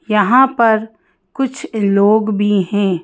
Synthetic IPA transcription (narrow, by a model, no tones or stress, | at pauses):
jɐɦãpɐɾ | kʊt͡ʃʰloːɡbʱiɦɛ̃ː